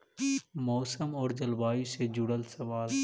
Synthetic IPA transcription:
mɔːsəmɔːɾd͡ʒəlʋaːjũsed͡ʒʊɽəlsəʋaːl

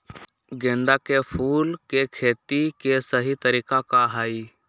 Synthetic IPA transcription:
ɡẽːnd̪akepʰuːlkekʰeːt̪ikesəɦit̪əɾiːkakaɦai

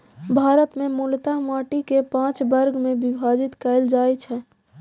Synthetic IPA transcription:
bʱaɾət̪memult̪amaʈikepãt͡ʃbəɾɡʱmẽbibʱad͡ʒit̪kɛɪld͡ʒaːjt͡ʃʰɛ

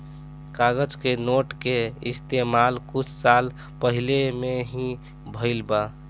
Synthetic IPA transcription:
kaɡəd͡ʒkenoʈkeɪst̪emalkʊt͡ʃʰsal | pəɦilemeɦĩ | bʱəɪlba

